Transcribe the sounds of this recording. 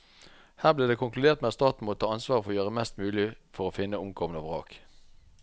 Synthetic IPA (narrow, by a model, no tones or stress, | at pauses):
hæːʁbliːd̪eːkʰʊŋklʉd̪eːʁt̪meːɑt̪st̪ɑːt̪n̩mɔt̪ʰɑːɑnsʋɑːʁfɔʁojøːʁəmɛst̪mʉːlɪfɔʁoːfɪnːəʊmɡʰɔmənɑːʋʁɑ̰ːk